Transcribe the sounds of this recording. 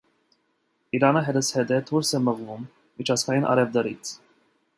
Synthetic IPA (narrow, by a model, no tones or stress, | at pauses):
iɾɑnəɦɛd̪əshɛd̪ɛt̪ʰuɾsɛməʁvum | mit͡ʃʰɑsɡɑjinʔɑ̰ɾɛvd̪əɾit͡sʰ